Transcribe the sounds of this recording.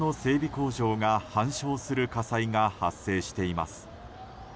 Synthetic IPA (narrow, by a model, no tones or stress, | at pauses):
no̞se̞ːbʲiko̞ːʑo̞ːŋahãɰ̃ɕo̞ːsɨɾɯ̟kasaiŋahasːe̞ːɕi̥t̪e̞ima̰sɨ̥